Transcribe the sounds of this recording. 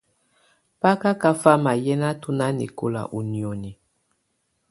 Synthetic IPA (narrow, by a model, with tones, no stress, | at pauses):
pa˦ka˦ka˦fa˦ma˨jɛ˦na˦tu˦na˦nḭ˨ko˨la̰˨ʔu˨ni˨ɔ˨ni˨